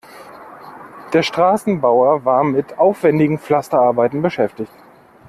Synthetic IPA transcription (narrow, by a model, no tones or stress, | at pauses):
d̥eːɐʃtʁ̥aːsn̩baʊɐvaːɐmɪtʔaʊfv̥ɛndɪɡŋ̩flastɐaɐbaɪtn̩bəʃɛftɪçt